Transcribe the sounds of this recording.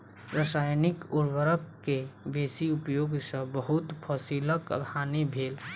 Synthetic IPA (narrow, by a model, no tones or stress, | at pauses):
ɾəsajnikuɾbəɾəkːebesiupjoɡsə̃bəɦut̪pʰəsiləkə̰ɡʱanebʱel